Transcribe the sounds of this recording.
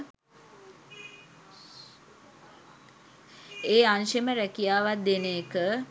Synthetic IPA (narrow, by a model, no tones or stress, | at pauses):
eːanʃeməɾækijaːʋat̪̚d̪eneːkə